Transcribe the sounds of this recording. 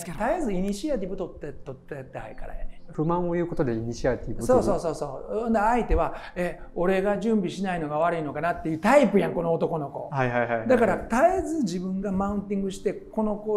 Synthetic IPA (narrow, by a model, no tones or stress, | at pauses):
t̪aijazɨiɲ̟iɕiat̪̬ʲibɯ̟t̪o̞t̪ːet̪ːot̪ːet̪ːeha̰ika̰ɾã̰ɸɯ̟mãɰ̃ojɯ̟ːkot̪o̞d̪e̞iɲ̟iɕiat̪ʲibɯsoːo̞ːso̞ːsõ̞ːnd̪eait̪e̞βaeo̞ɾe̞ɡaʑɨ̃mbʲiɕinaino̞ɡaβ̞aɾɯ̟ino̞kanat̪ːe̞jɯ̟ːt̪aipɯ̟jãŋko̞no̞ːt̪o̞ko̞no̞ko̞̰haɦajɦad̪akaɾat̪azɨd͡ʑibɯ̟̃ŋɡamaɯ̟̃nt̪̬ĩŋɡɯ̟ɕi̥t̪e̞ko̞no̞ko